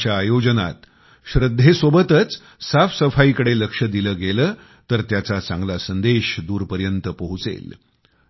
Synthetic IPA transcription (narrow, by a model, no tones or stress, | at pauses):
t͡ɕjaːjod͡ʑəna̰t̪ | ɕɾəd̪ʱːesʋobət̪ət͡s | safsəfaikəɽeləkʂəd̪iləːɡeləː | t̪əɾt̪jat͡sat͡sãŋɡlasənd̪eɕd̪uːɾpəɾjənt̪əpəɦut͡sḛl